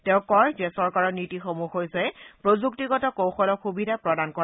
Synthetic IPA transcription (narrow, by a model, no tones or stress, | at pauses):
teʊ̃kɔjzɛsɔɹkaɹɔnitixomuxɦojsɛpɹozuktiɡɔtɔkowxɔlɔxubidʱapɹɔdankɔ